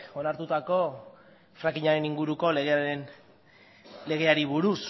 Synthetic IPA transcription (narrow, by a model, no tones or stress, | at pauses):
o̞naɾt̪ut̪ako̞ | fɾaŋkiɲaɾe̞niŋɡuɾuko̞leɣen | le̞ɣ̞e̞aɾiβuɾus